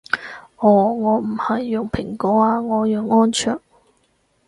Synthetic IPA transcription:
ʔɔː˨˧˩ŋɔː˨˧m̩˨˩hɐ˨jːʊ˨ŋpʰɪ˨˩ŋkɔː˨˥aː˧ŋɔː˨˧jɔː˨˩ŋɔː˥nt͡ʃʰœː˨˩ŋ̚

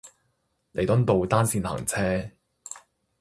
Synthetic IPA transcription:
le˨˩jt̪ɔ˥nt̪o˨wt̪aː˥nsiː˧nha̰ː˨˩ŋt͡sʰɛː˥

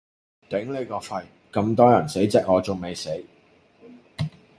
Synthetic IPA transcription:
t̪ɛ˨˥ŋle˨˧jkɔː˧fɐ˧j | kɐ˧mt̪ɔː˥jɐ˨˩nse˨˥jt͡sɛː˨˥k̚ɔː˨˧t͡so˨ŋme˨˧jse˨˥j

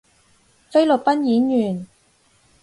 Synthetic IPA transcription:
fe˥jlɵ˨t̚pɐ˥njiː˨˥njyː˨˩n

